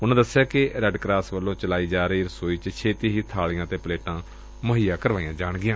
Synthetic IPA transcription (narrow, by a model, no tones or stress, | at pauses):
ʊnãːd̪əsːɪjaːkɪɾɛɖkɾaːsʋəlːõːt͡ʃəlaːiːd͡ʒaːɾəiːɾəsoːiːt͡ʃt͡ʃʰeːt̪iːɦiːt̪ʰaːɭɪjãːt̪eːpəleːʈãː | məɦiːaːkəɾʋaːijãːd͡ʒaːɳɡɪjãː